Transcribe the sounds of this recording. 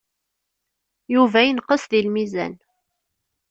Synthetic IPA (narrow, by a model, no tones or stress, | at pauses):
juvæjənqəsðilmizæ̰n